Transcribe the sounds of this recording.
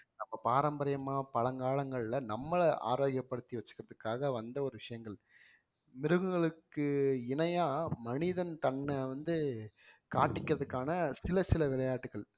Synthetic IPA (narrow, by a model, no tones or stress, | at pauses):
nɐmːɐpaːɾɐmbɐɾɐjɐmaːpɐlɐŋɡaːɭɐŋɡɐɭɪlɐnɐmːɐɭʔa̰ːɾoːɣɪjɐpːɐɽɯt̪ːiʋɐt͡ʃːɯ̥kɪɾɐðɯkːaːɣɐʋɐnd̪ɐɔɾɯʋɪʂɐjɐŋɡɐɭ | mɪɾɯɣɯɡɐɭɯkːɯɪnɐjaːmɐnɪðɐnt̪ɐnːɐʋɐnd̪ɯkaːʈːɪkːɪɾɐðɯkːaːnɐsɪlɐsɪlɐʋɪɭɐjaːʈːɯɣɐɭ